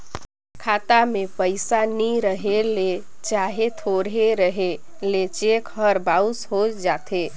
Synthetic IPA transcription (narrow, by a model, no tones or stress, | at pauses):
kʰat̪amepəɪsaniɾəɦele | t͡ʃaɦet̪ʰoɾɦeɾəɦe | let͡ʃekhəɾbawshod͡ʒat̪ʰe